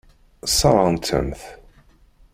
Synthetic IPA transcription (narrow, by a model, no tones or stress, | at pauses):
sˤɑɾˤɑnt̪ʰə̰mθ